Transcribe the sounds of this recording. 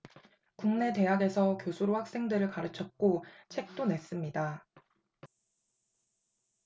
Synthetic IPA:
kuŋne̞te̞ɦaɡe̞sʰʌkjosʰuɾohak̚s͈e̞ŋdɯɾɯɭkaɾɯt͡ɕʰʌt̚k͈ot͡ɕʰe̞k̚t͈one̞s͈ɯmɲida

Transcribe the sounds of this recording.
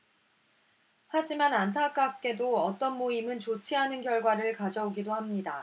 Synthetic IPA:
had͡ʑimanantʰak͈ap̚k͈e̞doʌt͈ʌnmoimɯnt͡ɕot͡ɕʰiɦanɯnɡjʌɭɡwaɾɯɭkad͡ʑʌoɡidohamɲida

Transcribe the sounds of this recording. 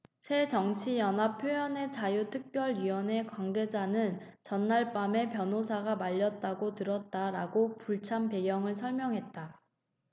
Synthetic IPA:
sʰe̞t͡ɕʌŋt͡ɕʰijʌnɦapʰjojʌne̞t͡ɕajutʰɯk̚p͈jʌɭɥiwʌne̞kwaŋɡe̞d͡ʑanɯn | t͡ɕʌnːaɭp͈ame̞pjʌnɦosʰaɡamaʎːʌt̚t͈aɡotɯɾʌt̚t͈aɾaɡopuɭt͡ɕʰanpe̞ɡjʌŋɯɭs̬ʰʌɭmjʌŋɦe̞t̚t͈a

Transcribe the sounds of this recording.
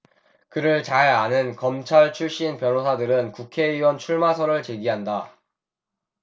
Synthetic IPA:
kɯɾɯɭt͡ɕaɭanɯnkʌmt͡ɕʰaɭt͡ɕʰuɭɕ͈inpjʌnosʰadɯɾɯnkukʰe̞iwʌnt͡ɕʰuɭmasʰʌɾɯɭt͡ɕe̞ɡiɦanda

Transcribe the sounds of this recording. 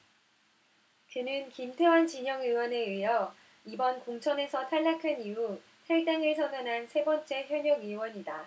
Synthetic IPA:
kɯnɯnkimtʰe̞want͡ɕiɲʌŋɯwʌneɯɦʌ | ibʌnkoŋt͡ɕʰʌne̞sʰʌtʰaɭːakʰaniu | tʰeɭt͈eŋiɭsʰʌnʌnɦansʰe̞bʌnt͡ɕ͈e̞çjʌɲʌɡɯwʌɲida

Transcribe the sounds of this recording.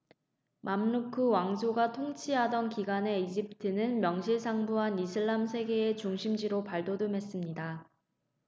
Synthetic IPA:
mʔamnukʰɯwaŋsʰoɡatʰoŋt͡ɕʰiɦadʌnkiɡane̞id͡ʑip̚tʰɯnɯnmjʌŋɕʰiɭsʰaŋbuɦanisʰɯɭːamsʰe̞ɡe̞ːt͡ɕuŋɕʰimd͡ʑiɾopaɭdodumɦe̞s͈ɯmɲida

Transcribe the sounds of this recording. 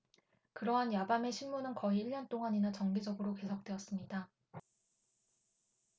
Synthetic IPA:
kɯɾʌɦanjabame̞ɕʰinmunɯnkʌiːɭːʌnt͈oŋaɲinat͡ɕʌŋɡid͡ʑʌɡɯɾoke̞sʰok̚t͈we̞ʌs͈ɯmɲida

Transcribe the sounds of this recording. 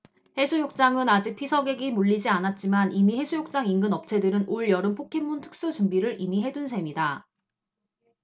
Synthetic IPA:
he̞sʰujok̚t͡ɕ͈aŋɯnad͡ʑik̚pʰisʰʌɡe̞ɡimuɭːid͡ʑianat̚t͡ɕ͈imanimihe̞sʰujok̚t͡ɕ͈aŋiŋɡɯnʌp̚t͡ɕʰe̞dɯɾɯnʔoɭjʌɾɯnpʰokʰe̞mːuntʰɯ̥k̚s͈ut͡ɕumbiɾɯɾʔimiɦe̞dunsʰe̞mida

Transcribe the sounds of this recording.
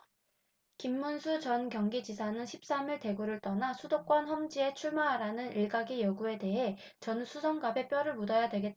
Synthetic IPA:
kimːunsʰut͡ɕʌnkjʌŋɡid͡ʑisʰanɯnɕʰip̚s͈amiɭte̞ɡuɾɯɭt͈ʌnasʰudok͈wʌnɸʌmd͡ʑie̞t͡ɕʰuɭmaɦaɾanɯniɭɡaɡijʌɡue̞de̞ɦe̞ | t͡ɕʌnsʰusʰʌŋɡabe̞p͈jʌɾɯɭmudʌjadwe̞ɡet̚

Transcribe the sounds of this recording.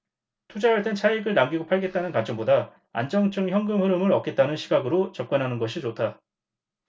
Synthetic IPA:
tʰud͡ʑaɦaɭt͈e̞nt͡ɕʰaiɡɯɭnaŋɡiɡopʰaɭɡe̞t̚t͈anɯnkant͡ɕ͈ʌŋboda | a̰nd͡ʑʌŋt͡ɕ͈ʰɯŋçjʌŋɡɯmhɯɾɯmɯɾʌk͈e̞t̚t͈anɯnɕʰiɡaɡɯɾot͡ɕʌp̚k͈ʌnɦanɯnɡʌɕʰit͡ɕotʰa

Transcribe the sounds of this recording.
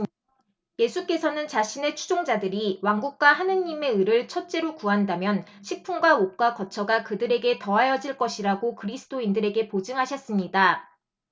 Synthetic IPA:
je̞sʰuk͈e̞sʰʌnɯnt͡ɕaɕʰine̞t͡ɕʰu̥d͡ʑoŋd͡ʑadɯɾiwaŋɡuk̚k͈waɦanɯɲːime̞ɯɾɯɭt͡ɕʰʌt̚t͡ɕ͈e̞ɾokuandamjʌnɕʰik̚pʰuŋɡwaop̚k͈wakʌt͡ɕʰʌɡakɯdɯɾe̞ɡe̞tʌajʌd͡ʑiɭk͈ʌɕʰiɾaɡokɯɾisʰɯ̥t͈ʰoindɯɾe̞ɡe̞pod͡ʑɯŋɦaɕʰʌs͈ɯmɲida

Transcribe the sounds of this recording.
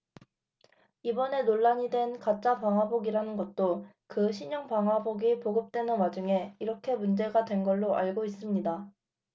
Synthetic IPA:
ibʌne̞noɭːaɲidwe̞nkat͡ɕ͈apaŋɦaboɡiɾanɯnɡʌt̚t͈o | kɯɕʰiɲʌŋpaŋɦwaboɡipoɡɯp̚t͈we̞nɯnwad͡ʑuŋe̞iɾʌkʰe̞mund͡ʑe̞ɡadwe̞nɡʌɭːoʔaɭɡois͈ɯmɲida

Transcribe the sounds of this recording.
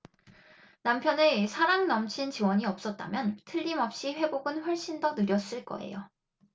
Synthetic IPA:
nampʰjʌnɯsʰaɾaŋnʌmt͡ɕʰint͡ɕiwʌɲiʌp̚s͈ʌt̚t͈a̰mjʌntʰɯʎːimʌp̚ɕ͈iɸwe̞boɡɯnɸwʌɭɕ͈indonɯɾjʌs͈ɯɭk͈ʌ̰e̞̰jo

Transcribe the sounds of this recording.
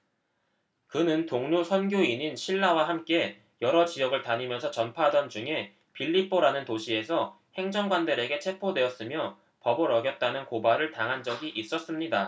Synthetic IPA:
kɯnɯntoŋɲusʰʌnɡjoiɲinɕʰiɭːawaɦamk͈e̞ | jʌɾʌt͡ɕijʌɡɯɭtaɲimjʌnsʰʌt͡ɕʌnpʰadʌnd͡ʑuŋe̞ | piʎːip͈ʰoɾanɯntoɕʰie̞sʰʌ | he̞ŋd͡ʑʌŋɡwandeɾe̞ɡe̞t͡ɕʰe̞pʰodwe̞ʌs͈ɯmjʌ | pʌbʌɾʌɡjʌt̚t͈anɯnkobaɾɯɭtaŋɦand͡ʑʌɡiʔis͈ʌs͈ɯmɲida

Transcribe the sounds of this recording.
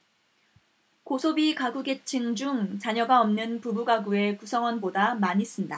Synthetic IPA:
kosʰobikaɡuɡe̞t͡ɕʰiŋd͡ʑuŋt͡ɕaɲʌɡaʌmnɯnpubuɡaɡue̞kusʰʌŋwʌnbodamaɲis͈ɯmnɲda

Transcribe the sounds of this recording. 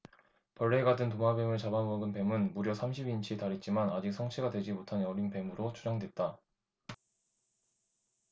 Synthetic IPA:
pʌɭːeːɡadɯntoŋabe̞mɯɭt͡ɕabamʌɡɯnpe̞mɯnmuɾjʌsʰamɕʰibint͡ɕʰitaɾit̚t͡ɕ͈imanad͡ʑik̚s͈ʰʌŋt͡ɕʰiɡadwe̞d͡ʑimotʰanʌɾiŋpe̞mɯɾot͡ɕʰud͡ʑaŋdwe̞t̚t͈a

